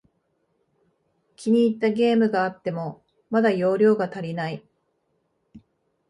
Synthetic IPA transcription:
kʲʰiɲ̟iːt̪ːaɡʲe̞ːmɯ̟ɡaːt̪ːe̞mo | mad̪ajo̞ːɾʲo̞ːɡat̪aɾʲinai

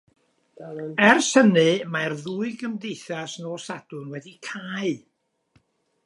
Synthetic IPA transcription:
ɛrsənɨmarðuːɨɡəmdejθasnoːsad̥ʊnwɛdikʰaːɨ

